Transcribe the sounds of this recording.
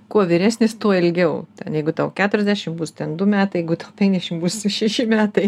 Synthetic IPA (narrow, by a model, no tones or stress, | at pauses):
kuɔʋʲɪɾʲæːsʲnʲɪst̪uɔɪlʲɡʲɛʊt̪ʲɛ̰njɛɪɡʊt̪ɐʊkʲæːt̪ʊɾʲɛzʲdʲæːʃʲɪmbuːst̪ʲɛnd̪ʊmʲæːt̪ɐɪjɛɪɡʊt̪ɐʊpʲɛŋɡd̪ʲɛʃʲɪmbuːsʃʲɛʃʲɪmʲæːt̪ɐɪ